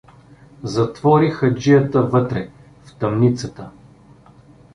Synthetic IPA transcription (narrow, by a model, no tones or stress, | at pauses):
zɐt̪vɔɾixɐd͡ʒijət̪əvɤt̪ɾɛ | ft̪ɐmnit̪sət̪ə